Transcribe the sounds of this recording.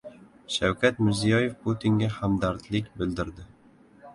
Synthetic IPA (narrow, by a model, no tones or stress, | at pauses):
ʃawkʲʰat̪mɪɾzijɒje̞fpʰot̪ʰiŋɡʲahamd̪aɾt̪lɪkʲbɪld̪ɪɾd̪ɪ